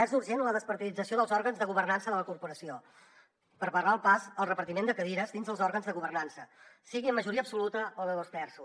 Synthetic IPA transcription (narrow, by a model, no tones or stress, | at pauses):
ɛzuɾʒenləðəspəɾt̪iðid͡zəsioðəlˠzɔɾɣənzðəɣuβərnansəðələkuɾpuɾəsio | pəɾβərlaəlˠpasəlˠrəpəɾt̪imend̪əkəðiɾəzd̪inzðəlˠzɔɾɣənzðəɣuβ̞ərnansəsiɣiəmːəʒuɾiəpsulut̪əoβəloztɛrsu